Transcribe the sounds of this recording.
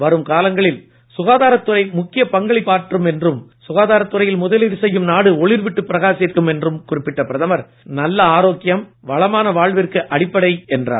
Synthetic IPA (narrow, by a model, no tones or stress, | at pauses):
ʋɐɾɯmkaːlɐŋɡɐɭɪl | sʊɣaːðaːɾɐt̪ːɯrɐɪmʊkːɪjɐpɐŋɡɐɭɪpaːɾʈrɯmɛndrɯmsʊɣaːðaːɾɐt̪ːɯɾɐjɪlmʊðɐlɪɾsɛjːɯmnaːɽɯɔɭɪɾʋɪʈːɯpːɪɾɐɣaːsiːɾkɯmɛndrɯmkʊrɪpːɪʈːɐpɪɾɐðɐmɐɾ | nɐlːɐaːɾoːkːɪjɐmʋɐɭɐmaːnɐʋaːɭʋɪrkɯʔɐɽɪpːɐɽɐɪɛndra̰ː